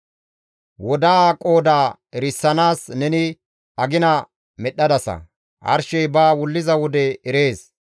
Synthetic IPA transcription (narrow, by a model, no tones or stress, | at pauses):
wɔd̪aːkʼo̞ːd̪aː | ɛɾɪsːɐnaːsnɛnɪ | ɐɡɪnɐ | mɛɗːɐd̪ɐsɐ̰ | ʔɐ̰ɾʃɛjbaːwʊlːɪzɐwɔd̪ɛɛɾe̞ːs